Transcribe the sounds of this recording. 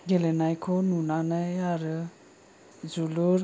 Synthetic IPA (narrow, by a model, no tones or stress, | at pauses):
ɡelenajkʰɔnunanajaɾɯ | d͡ʒuluɾ